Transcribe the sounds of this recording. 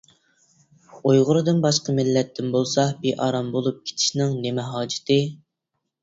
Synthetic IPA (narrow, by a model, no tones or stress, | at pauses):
ojʁʊɾɨd̪ɨnbɑʃqəmɪlːɛt̪ʰːɪnbolˠsɑbiʔɑɾɑmbolˠup̚kʲʰe̥t͡ʃ̪ʰɪ̥ʃnɪŋnemɛɦɑːd͡ʒɪ̥t̪ʰɪ